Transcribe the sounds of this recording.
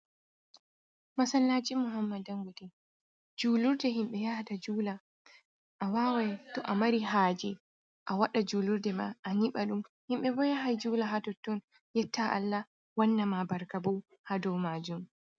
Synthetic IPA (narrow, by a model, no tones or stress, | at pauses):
masanlaːd͡ʒimɔɦamːadaŋɡudɛ | d͡ʒuːluɾdɛɦimɓɛjahatad͡ʒuːla | ʔawaːwajtɔʔamaɾiɦaːd͡ʒɛ | ʔawaɗad͡ʒuːluɾdɛma̰ʔaniɓaɗumhimɓɛbɔjaɦajd͡ʒuːlaɦatɔtːɔn | jɛtːaʔa̰lːa | wanːamabaɾkabɔw | hadɔwmaːd͡ʒum